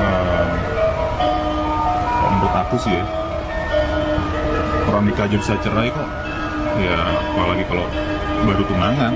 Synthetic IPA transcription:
əːm | ka̰ʔəmɾʊt̪akusɪja | oɾaŋdikad͡ʒabisat͡ʃəɾaik̪aʔ | jamalaɡikalo | baɾut̪unaŋan

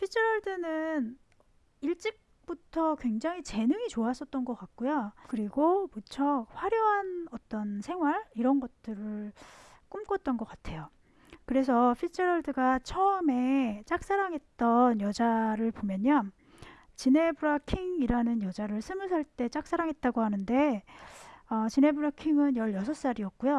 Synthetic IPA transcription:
pʰit͡ɕʰiɾʌɭdɯnɯn | iɭt͡ɕ͈ik̚ | p͈utʰʌkwe̞ŋd͡ʑaŋit͡ɕe̞nɯŋit͡ɕoas͈ʌt̚t͈ʌnɡʌk͈ak̚k͈ujokɯɾiɡobut͡ɕʰʌɸwaɾjoɦanʌt͈ʌnsʰe̞ŋɦwaɭiɾʌnɡʌt͈ɯɾɯɭ | k͈umk͈ʌt̚t͈ʌnɡʌk͈atʰe̞jo | kɯɾe̞s̬ʰʌpʰit͡ɕʰeɾʌɭdɯɡat͡ɕʰʌɯme̞t͡ɕ͈ak̚s͈aɾaŋɦe̞t̚t͈ʌnjʌd͡ʑaɾɯɭpomjʌɲʌ | t͡ɕine̞buɾakʰiŋiɾanɯnjʌd͡ʑaɾɯɭsʰɯmɯs̬ʰaɭt͈e̞t͡ɕ͈ak̚s͈ʰaɾaŋɦe̞t̚t͈aɡohanɯnde̞ | ʌt͡ɕine̞buɾakʰiŋɯnjʌɭjʌsʰʌs͈aɾiʌk̚k͈ujo

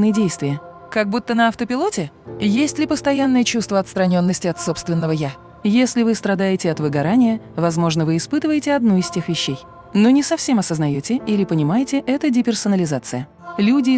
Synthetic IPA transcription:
nɨjədʲejst̪vʲɪjə | kɐɡ̚but̪ːənɐɐft̪əpʲɪlˠo̞tʲɪ | jesʲtʲlʲɪpəst̪ɐjanːəjət͡ɕust̪vəɐt̪st̪ɾɐnʲo̞nːəsʲtʲɪɐt̪so̞pst̪vʲɪnːəvəja | jesʲlʲɪvɨst̪ɾɐd̪ajɪtʲɪɐt̪vɨɡɐɾanʲɪjəvɐzmo̞ʐnəvɨːspɨt̪ɨvəjɪtʲɪɐd̪nuɪsʲtʲe̞xvʲɪɕːej | no̞nʲɪsɐfsʲe̞mɐsəznɐjotʲɪilʲɪpənʲɪmajɪtʲɪʔɛt̪ədʲɪpʲɪrsənəlʲɪzat̪sɨjə | lʲudʲɪ

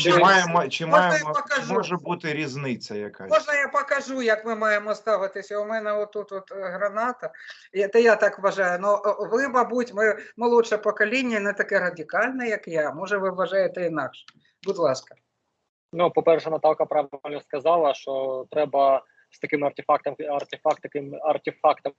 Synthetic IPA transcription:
t͡ʃɪmɑjɛmɔt͡ʃɪmɑjɛɔpɐkɐʒɔʒɛbut̪ɪɾʲiznɪt͡sʲːɐjɐkamɔʒɐjapɐkɐʒujɐkmɪmɑjemɔst̪ɑʋɪt̪ɪsʲɐʊmɛnɛɔt̪ːut̪ɔt̪ɦɾɐnɑt̪ɐ | jat̪ɛjat̪ɑkʋɐʒɑjʊnɔʋɪmɐbutʲmɪmɐlˠuʂɛpɔkɐlʲinʲːɐnɛt̪ɐkɛɾɐdʲɪkɑlʲnɛjɐkjamɔʒɛʋɪʋːɐʒɑjet̪ɛinɑkʃɛ̥ | bʊd̪lˠɑskɐ̥ | nupɔpɛrʃɛnɐt̪ɑwkɐpɾɑʋɪlʲnɔskɐzɑlˠɐʃt͡ʃɔt̪ɾɛbɐ | st̪ɐkɪmɐrtʲɪfɑk̚t̪ɐmɐrt̪ʲɪfɑkt̪ɐkɪmɐrt̪ʲɪfɑkt̪ɐm

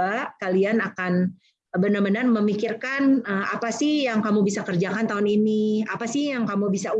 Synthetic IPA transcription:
akalianakan | bənərmənərməmikirkanəapasɪhjaŋkamubisakərd͡ʒakant̪aɦʊniniapasɪhjaŋkamubisau

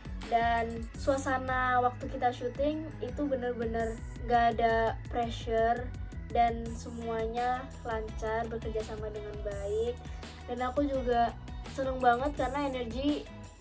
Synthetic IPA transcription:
dansuasanawak̚t̪ukit̪aʃut̪ɪŋ | it̪ubənərbənər | ŋɡaːdapɾɛʃərdansəmuaɲa | laɲt͡ʃarbərkərd͡ʒasamadəŋanbaɪk̚ | danakud͡ʒuɡa | sənəŋbaŋət̪̚karnaenərɡi

